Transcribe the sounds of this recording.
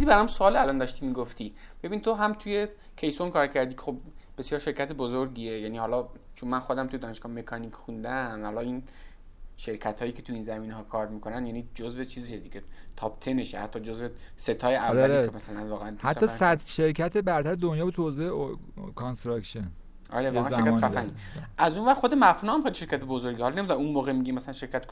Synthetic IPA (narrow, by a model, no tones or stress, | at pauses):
izibæɾamsoɒːlælɒːnd̪ɒʃt̪imiɡoft̪ib̥e̞binit̪ʰoɦæmt̪ʰuje | kʲʰe̞jsonkʰɒːɾcʰæɾd̪iːkʰexobb̥e̞sjɒːɾʃe̞ɾcʰʲæt̪ʰebozoɾɡiːejæniːhɒlɒt͡ʃʰonmænxod̪æmt̪ʰujeɒːneʃɡɒːme̞kʰɒnikʰxund̪ænhɒlɒin | ʃe̞ɾcʰæt̪hɒːjiːkʰe̞t̪ʰuinzæmiːneɦɒːkʰɒːɾmikʰonænjænid͡ʒozve̞t͡ʃʰiːziʃed̪iːɡet̪ʰɒp̚t̪ʰeneʃhæ̰t̪ʰːɒd͡ʒozvese̞t̪ʰɒːjeʔæɾæleemæsælænvɒːɣeænd̪uæt̪ʰːɒːsæd̪ʃe̞ɾcʰæt̪ʰebæɾt̪æɾed̪onjɒːbet̪ʰozee | kʰonst̪ɾɑkʃen | ʔɒ̰ɾeveænæemkææfæni | ʔæzunvæɾxod̪emæfnuːæmχelʃe̞ɾkʰʲæt̪ʰebozoɾɡihɒlɒnemid̪lunmoːɣemiɡʲimæsælænʃe̞ɾkʰæt̪